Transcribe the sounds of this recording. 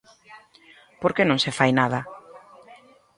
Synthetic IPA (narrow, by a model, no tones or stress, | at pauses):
poɾkenõŋsefajnað̞ɐ